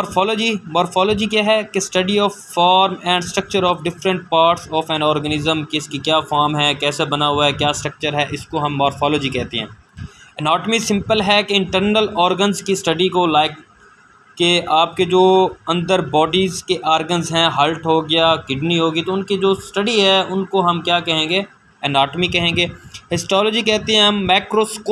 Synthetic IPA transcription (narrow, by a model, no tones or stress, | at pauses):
mɔːɾfɔːlɔːd͡ʒimɔːɾfʰɔːlɔːd͡ʒikjaɦɛkesʈɐɖiɔːffaːɾmɛ̃ːɳɖsʈɾək̚t͡ʃəɾɔːfɖɪfɾə̃ɳʈ̚paːɾʈsɔːfɛ̃ːɳɖɔːɾɡənɪzəmkɪskikjaːfaːɾmɦɛːkɛːsabɐnaɦʊaɦɛkjaːsʈɾək̚t͡ʃəɾɦɛʔɪskoɦɐ̃mːɔːɾfʰɔːlɔːd͡ʒikɛɦt̪ḛɦɛ̰̃ː | ənɔːʈəmisɪ̃mpəlɦɛkeɪ̃ɳʈəɾnəlɔːɾɡənzkisʈɐɖikolaːɪkː | eaːp̚ked͡ʒoːɐ̃nd̪əɾbɔːɖizkeʔaːɾɡənzɦɛ̃ːɦɐlʈɦoːɡɪjaːkɪɖniɦoːɡit̪oʊnkid͡ʒoːsʈɐɖiɦɛʊnkoɦɐmkjaːkɛɦẽːɡeː | ɛnaːʈmikɛɦẽːŋɡeːhɪsʈɔːloːd͡ʒikɛɦt̪eɦɛ̃ɦɐmːɛːkɾoːsko